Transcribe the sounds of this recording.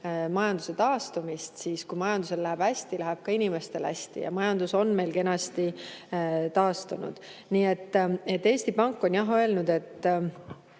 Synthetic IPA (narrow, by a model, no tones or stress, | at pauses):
mɑjɑnd̪̥u̥se̞t̪ɑːst̪umist̪siːskujmɑjɑnd̪̥use̞lːæɦeb̥æsʲt̪ilæɦeb̥̚kɑinime̞st̪e̞læ̰sʲt̪ḭjɑ̰mɑjɑnd̪uso̞nme̞jlke̞nɑst̪i | t̪ɑːst̪unṵd̪̥niːe̞t̪ːet̪ːe̞ːsʲt̪ipɑŋkːˑo̞njɑɦø̞e̞lnud̪e̞t̪ːˑ